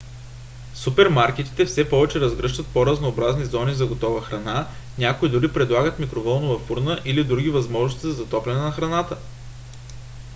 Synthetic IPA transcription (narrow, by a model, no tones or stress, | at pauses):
supɛɾmaɾk̟ɛt̪i̥t̪ɛfsɛpɔvɛt͡ʃɛɾɐzɡɾɤʃt̪ət̪̚poɾɐznoːbɾaznizɔnizɐɡot̪ɔvəxɾɐnanʲakoid̪uɾipɾɛd̪lˠaɡət̪mikɾovɔnovɐfuɾnəʔilid̪ɾuɡʲivɐzmɔʒnost̪izɐzɐt̪ɔplʲɛnɛnɐxɾɐnat̪ə